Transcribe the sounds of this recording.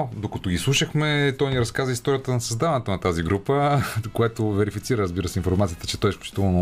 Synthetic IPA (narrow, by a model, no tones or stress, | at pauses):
d̪okɐt̪ɔɡʲislˠuʃəxmɛt̪ɔjniɾɐskazəist̪ɔɾijət̪ənɐsɐzd̪avɐnɛt̪onɐt̪aziɡɾupəkojɛt̪ovɛɾifit̪siɾəɾəzbiɾəsɛinfoɾmat̪sijət̪ə̥t͡ʃɛ̥t̪ɔjɛsfklʲu̥t͡ʃi̥t̪uvəno